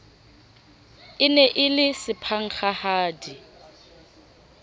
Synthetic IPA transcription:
ɪnɛʔɪlɪsɪpʰaŋ̩χahaːdi

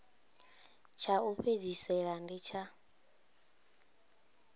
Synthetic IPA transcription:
t͡ʃʰauɸed͡zisɛɺandit͡ʃʰa

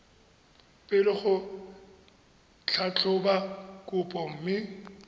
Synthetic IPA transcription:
pʼɪlɪχʊ | t͡ɬʰat͡ɬʰʼʊbakʼʊpʼɔm̩ːmɪ

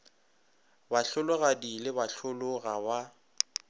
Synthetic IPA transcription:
baɬʊlʊɣadilɪbaɬʊlʊɣaba

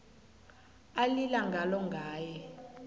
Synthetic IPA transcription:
alilaŋɡʱalɔŋɡʱaːjɛ

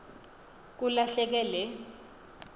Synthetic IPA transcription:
k̬ulaɬɛk̬ɛlɛ

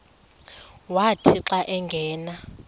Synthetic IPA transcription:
watʰiǁaʔɛŋɡʱɛːna

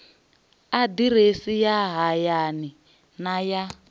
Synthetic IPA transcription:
adiɾesijaɦajani | naja

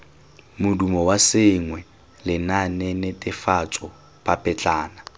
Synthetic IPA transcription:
mʊdumɔwasɪŋwɛ | lɪnanɛnɛtʼɪfat͡sʼɔ | pʼapʼɛt͡ɬʼaːna

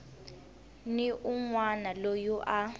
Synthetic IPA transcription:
niʔuŋwanalojuʔa

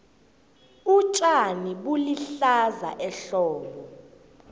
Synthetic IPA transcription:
ut͡ʃʼaniɓuliɬaza̰ʔɛɬɔːɓɔ

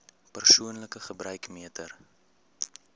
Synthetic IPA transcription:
pərsuənləkəχəbɾœɥkmiətʰər

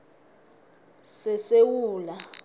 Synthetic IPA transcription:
sɛsewuːla

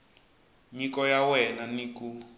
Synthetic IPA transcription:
ɲikɔjawɛnaniku

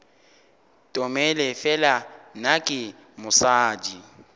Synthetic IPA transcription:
tʼɔmɛlɛfɛlanakʼɪ | mʊsaːd͡ʒi

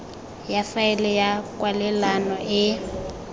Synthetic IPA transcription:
jafaɪlɛjakʼwalɛlanɔʔɪ

